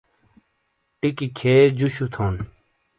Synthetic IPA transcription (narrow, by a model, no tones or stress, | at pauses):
ʈikikʰeːd͡ʑuɕut̪ʰoːn